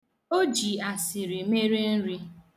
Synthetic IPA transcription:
o˦d͡ʒi˨a˨sɪ˨ɾi˨me˦ɾi˦n̩˦ɾi˦

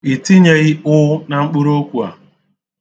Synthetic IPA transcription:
i˨ti˦ɲe˨ɣi˦ʊ˦na˨ŋ͡m̩˦k͡pʊ˦ɾo˦kʷu˨a̰˨

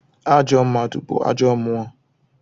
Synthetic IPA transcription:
a˦d͡ʒɔ˦m̩˦ma˨tṵ˨k͡po̰˨a̰˦d͡ʒɔ˦mʊ˦a˦

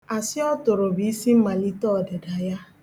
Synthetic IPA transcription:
a˨sɪ˦ɔ˦tʊ˨ɾo˨bi˨i˦si˦m̩˦ma˨li˦tɔ˦˨de˨da˨ja˦

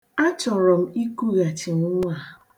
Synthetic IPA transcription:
a˦t͡ʃɔ˨ɾɔ˨m̩˦i˦ku˦ɣa˨t͡ʃɪ˨ŋʊ˦ŋʷ˦a˨

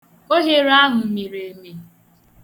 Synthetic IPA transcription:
o˦ɦe˦ɾa˦ɦʊ˨mi˨ɾe˨me˨

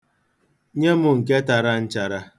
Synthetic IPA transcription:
ɲe˦mʊ˨ŋ̩˨ke˦ta˨ɾa˦n̩˦t͡ʃa˨ɾa˦

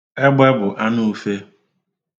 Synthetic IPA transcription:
ɛ˦ɡ͡bɛ˦bʊ˨ʔa˦nʊ˦u˦fe˦

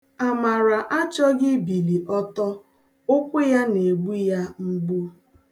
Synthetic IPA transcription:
a˨ma˨ɾa˨ʔa˦t͡ʃɔ˦ɡɪ˦bi˨li˨ʔɔ˦tɔ˦ | o˦kʷe˦ja˦ne˨ɡ͡bu˦ja˦m̩˦ɡ͡bu˦

